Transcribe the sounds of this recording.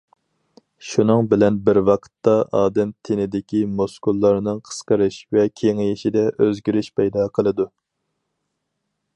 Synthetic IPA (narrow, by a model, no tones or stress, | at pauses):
ʃunɨŋbɪlɛnbɪɾwɑqʰə̥t̪ːɑʔɑːd̪ɛmt̪ʰenɪd̪ɪkʲimoskulˠːɑɾnɨŋqʰə̥sqəɾɨʃvɛkʲʰeŋɪjiʃid̪ɛʔøzɡʲiɾɪʃpʰɛjd̪ɑːqʰəlˠɨd̪u